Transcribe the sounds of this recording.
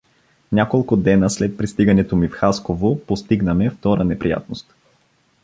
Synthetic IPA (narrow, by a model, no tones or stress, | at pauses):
nʲakolˠkʊd̪ɛnəslɛt̪̚pɾist̪iɡɐnɛt̪omifxaskovopost̪iɡnəmɛft̪ɔɾənɛpɾija̰t̪̚nost̪